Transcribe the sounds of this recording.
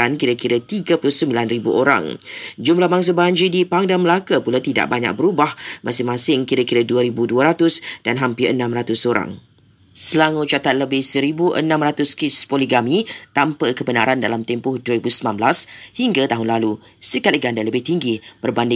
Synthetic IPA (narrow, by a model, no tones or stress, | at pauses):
ankiɾakiɾat̪iɡapulʊhsəmbilanribṵʔoɾa̰ŋd͡ʒumlahbaŋs̬abaɲd͡ʒidipaŋdanməlakapulat̪ida̰ʔ̚baɲa̰k̚bəɾubahmʔãsɪŋmãsɪŋkiɾakiɾaduaɾibuduaɾat̪ʊsd̥anɦampɪrʔə̰nãmrɾat̪ʊsoɾa̰ŋ | səlaŋut͡ʃat̪at̪̚ləbɪhsəɾibuʔə̰nãmrat̪ʊskɪspoliɡamit̪ampakəbəna̰ɾandalamt̪ɛmpʊhduəɾibusəmnãnblashiŋɡat̪aɦʊnlalusəkat̪iɡandaləbɪht̪iŋɡib̥ərbandɪ